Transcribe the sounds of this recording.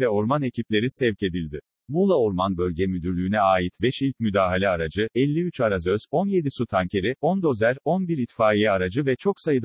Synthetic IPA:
vɛo̞ɾmane̞cʰiplʲe̞ɾisɛvce̞d̪ilʲd̪ɪ | bulˠaoɾmanbø̞lʲɟɛmyd̪yɾlʲyːnɛaːjit̪bɛʃilʲc̚myd̪aːɦalʲɛaɾad͡ʒɯʔɛlʲːiyt͡ʃaɾazø̞z̥o̞nje̞d̪isut̪ʰaɲcʰe̞ɾio̞nd̪o̞zæɾo̞nbiɾit̪faːijɛaɾad͡ʒɯvɛt͡ʃʰo̞ksajɯd̪

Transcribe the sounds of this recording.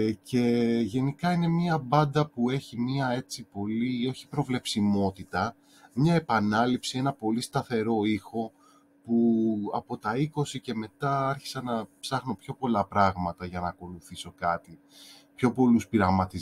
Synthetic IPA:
ce̞ʝe̞nikɐine̞miɐbɐnd̪ɐpue̞çimiɐe̞t͡sipo̞lio̞çi̥pɾo̞vle̞psimo̞t̪it̪ɐ | mɲɐe̞pɐnɐlipsie̞nɐpo̞list̪ɐθe̞ɾo̞ixo̞ | puɐpo̞t̪ɐiko̞sice̞me̞t̪ɐɐɾçi̥sɐnɐpsɐxnopço̞po̞lɐpɾɐɣmɐt̪ɐʝɐnɐːko̞luθiso̞kɐt̪i | pço̞po̞luspiɾɐɣmɐt̪iz

